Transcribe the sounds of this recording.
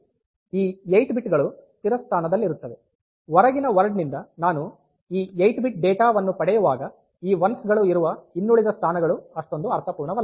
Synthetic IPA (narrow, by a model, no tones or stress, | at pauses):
iːjɐjʈbiʈɡɐɭut̪iɾɐst̪ʰaːnɐd̪ɐlːiɾut̪ːɐd̪ɛ | ʋɔɾɐɡinɐʋɐɾɖnind̪ɐnaːnu | iːjejʈbiʈ̚ɖɛːʈaːʋɐnːupɐɽɛjuʋaːɡɐ | iːʋɐnsɡɐɭuiɾuʋɐinːuɭid̪ɐst̪ʰaːnɐɡɐɭuɐʂʈo̞nd̪uɐɾt̪ʰɐpuːɾɳɐʋɐl